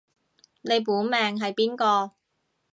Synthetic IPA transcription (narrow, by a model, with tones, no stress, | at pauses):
ne˨˧jpuː˨˥mɛː˨ŋɦɐ˨jpiː˥nkɔː˧